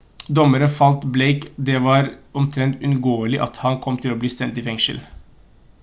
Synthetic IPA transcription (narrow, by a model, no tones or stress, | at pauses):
d̪ɔmːəɾənfɑlt̪bleɪkd̪ɛʋɑːɾɔmt̪ʰɾɛnt̪ʉnɡoːəlɪʔɑt̪hɑnkʰɔmːt̪ʰɪloːbliːst̪ɛnt̪ɪfɛŋʃə̰l